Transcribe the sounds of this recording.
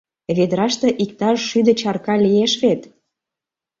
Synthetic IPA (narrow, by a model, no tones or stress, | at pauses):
βed̪əɾɑʃt̪ĕʔikt̪ɑʒʃyd̪ə̆t͡ɕɑrkɑlijeʃβet̪